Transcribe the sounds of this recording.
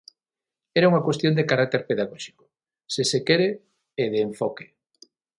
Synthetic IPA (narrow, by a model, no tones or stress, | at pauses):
ɛɾauŋakwest̪jond̪ekaɾak̚t̪eɾpeðaɣɔʃi̥kʊ̥ | sesekɛɾe | eðeːɱfɔke̥